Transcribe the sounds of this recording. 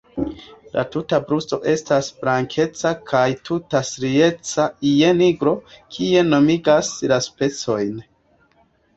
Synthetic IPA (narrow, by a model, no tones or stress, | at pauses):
lʔa̰tutabɾusto̞ʔe̞stasblaŋkʰe̞t͡sakʰajtʰutasɾie̞t͡saije̞niɡɾo̞kʰie̞no̞miɡaslaspe̞t͡so̞jn